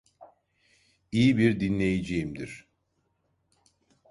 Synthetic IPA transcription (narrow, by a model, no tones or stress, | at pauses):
ijibiɾd̪inlʲe̞jed͡ʒejimd̪iɾ̥